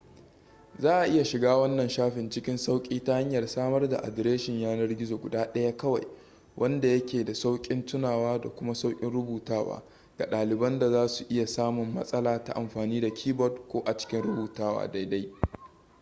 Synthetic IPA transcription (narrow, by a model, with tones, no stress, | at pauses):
zaː˦ʔa˨ʔɪ˦ja˨ʃɪ˨ɡaː˦wɐ˦nːɐ˨nʃaː˦ɸɪ˨nt͡ʃɪ˦kʲɪ˦nsa˦wkʲʼiː˦ta˦ha˦ɲjɐ˨rsaː˦mɐ˦rda̰˨ʔa̰˨dɾeː˦ʃɪ˨ɲjaː˦nɐ˦rɡʲɪ˦zoː˨ɡʷʊ˨daː˦ɗɐ˦ja˦kɐ˦wa̰˨j | wʔɐ˦nda˨jɐ˦kʲeː˨da˨sa˦wkʲʼɪ˦ntʊ˦naː˨waː˦da˨kʷʊ˦ma˦sa˦wkʲʼɪ˦nɽʊ˦buː˨taː˦wa̰ː˦ | ɡ̥a˨ɗaː˨lɪ˨bɐ˦nda˨zaː˦su˨ʔɪ˦ja˨saː˦mʊ˨mːɐ̰˦sʼɐ˦laː˨ta̰˨ʔa˨mɸaː˨niː˦da˨kʲʰiː˦bɔ˦dkʷoː˦ʔa˨t͡ʃɪ̥˦kʲɪ˦nɽʊ˦buː˨taː˦wa̰ː˦da˦jda˦j